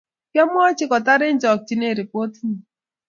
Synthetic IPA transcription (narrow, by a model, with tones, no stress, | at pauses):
kjɔ˦mʊ˦ɔ˦t͡ʃɪ˦kɔ˨ta˦ɾɪ˦n̩˦d͡ʒɔ˨k̚t͡ʃi˦ne˦˨ɾi˨po˦tni˨